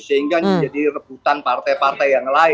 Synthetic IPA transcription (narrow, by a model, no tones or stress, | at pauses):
səɦiŋɡanad͡ʒadirəbut̪anpart̪ajpart̪ajːaŋlaɪ